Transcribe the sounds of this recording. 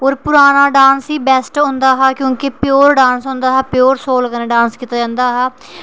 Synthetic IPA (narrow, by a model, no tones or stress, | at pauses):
oːɾpʊɾaːnaːɖaːnsiːbɛːsʈɦʊ̃ːnd̪aːɦaːkjõːkɪpɪjoːɾɖãːnsɦʊ̃ːnd̪aːɦɛːpɪjoːɾsoːlkəneːɖãːnskiːt̪aːd͡ʒãːnd̪aːɦɛː